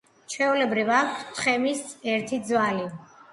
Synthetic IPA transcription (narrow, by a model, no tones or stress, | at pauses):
t͡ʃʰɛulɛbɾivak̚ʰtsʰt̪ʰχɛmisɛɾt̪ʰid̪zwali